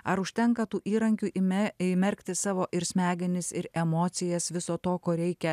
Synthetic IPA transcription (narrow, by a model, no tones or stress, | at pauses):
ɐɾʊʃʲt̪ʲɛŋkɐt̪uːʔiːɾɐŋʲkʲuːʔiɪmʲɛɾʲkʲt̪ʲɪsɑːʋoːʔɪɾsʲmʲæːɡʲɪnʲɪsɪɾɛmoːt̪sʲɪjɛsʋʲɪsoːt̪oːkoːɾʲɛɪkʲɛ